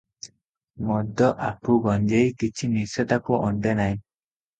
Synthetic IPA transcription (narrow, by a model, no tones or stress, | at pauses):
mɔd̪ɔʔapuɡɔɲd͡ʒejkit͡ʃʰiniset̪akuʔɔɳɖenaj